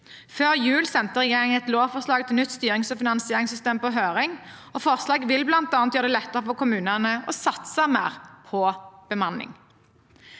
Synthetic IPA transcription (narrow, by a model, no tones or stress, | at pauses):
føːʁjʉːlsɛnt̪əʁɛjeːʁɪŋəɛt̪loːʋfɔʁslɑːɡ̚t̪ʰɪlnʏt̪ːst̪yːʁɪŋsɔfɪnɑnsɪeːʁɪŋsʏst̪eːmpɔɦøːʁɪŋɔfɔʁslɑːɡʋɪlblɑnt̪ɑːnt̪jøːʁd̪ɛlɛt̪ːəʁəfɔkʰʊmʉːnənəɔsɑt̪səmæ̰ːʁpʰɔb̥əmɑnɪ̰ŋ